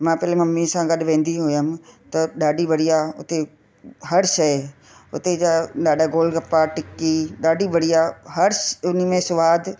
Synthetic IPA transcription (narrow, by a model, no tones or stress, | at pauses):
mãːpɛːlemɐmːisãːɡɐɗʋẽːn̆d̪iɦojaːmt̪ɐɗaːɖiʋɐɽijaʊ̰t̪e | ɦɐɾʃɐɪ | ʊ̰t̪ed͡ʒaɗaːɗaːɡoːlɡɐpːaʈɪkːiɗaːɖiʋɐɽijaɦɐɾsʊnimẽsʊʋaːd̪